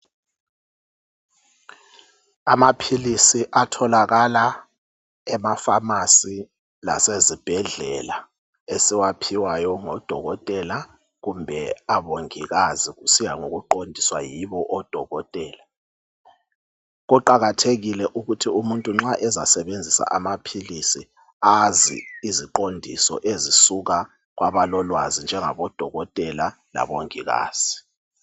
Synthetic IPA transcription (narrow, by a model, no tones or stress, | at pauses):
amapʰilisiʔatʰɔlaɣala | ɛmafamasi | la̰sezib̥ʱɛɮɛ̰la | esiwapʰiwajɔŋɔd̥ʱɔ̰ɣɔtʼɛla | ɣumbʱɛaɓoŋiɣaziɣusijaŋoɣuǃondʱiswajiβɔʔɔd̥ʱɔɣɔtʼɛːla | ɣɔǃaɣatʰeɣilɛʔuɣutʰiumuntʼuŋ͡ǁaʔɛza̰sɛβend͡zʱisa̰ʔamapʰilisi | azḭiziǃondʱḭsɔ̰ʔezisuɣa | ɣwaβalɔlwazind͡ʒʱɛŋa̰βɔd̥ʱɔɣɔtʼɛla | la̰βoŋiɣa̰ːz̥i